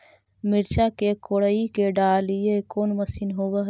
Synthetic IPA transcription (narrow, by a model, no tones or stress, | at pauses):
mɪɾt͡ʃakekoːɽəikeɖaːliekoːnməsinɦoːʋaɦ